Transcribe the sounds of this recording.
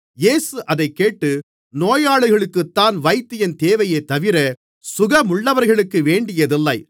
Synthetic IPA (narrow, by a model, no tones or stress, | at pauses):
jeːsɯʔɐðɐɪkːeːʈːɯ | noːjaːɭɯɣɐɭɯkːɯt̪ːaːnʋɐɪt̪ːɪjɐnt̪eːʋɐjɐɪt̪ːɐʋɪɾɐ | sʊɣɐmʊɭːɐʋɐɾɣɐɭɯkːɯʋeːɳɖɪjɐðɪlːɐɪ